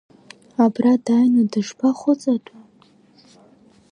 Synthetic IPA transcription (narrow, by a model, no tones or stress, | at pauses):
abradajnadɨʂpʰaχʷʊt͡sʼatʼa